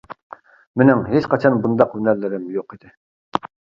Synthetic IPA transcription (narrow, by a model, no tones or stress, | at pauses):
mɪnɪŋɦeʃqɑt͡ʃʰɑnbund̪ɑqhynæɾlɪɾɪmjoqid̪̥ɪ